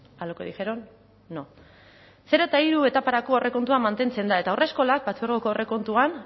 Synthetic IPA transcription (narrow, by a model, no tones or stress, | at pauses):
alokoðixeɾo̞nː | o | se̞ɾo̞t̪aiɾue̞t̪apaɾako̞ːre̞ko̞nt̪uamːant̪e̞nt͡se̞nd̪ae̞t̪aore̞sko̞lak̚bat͡seɾɣokoore̞ko̞nt̪uan